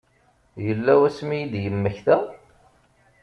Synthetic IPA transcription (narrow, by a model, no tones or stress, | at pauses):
jəlːæwæsmijid̪jəmːəçθæ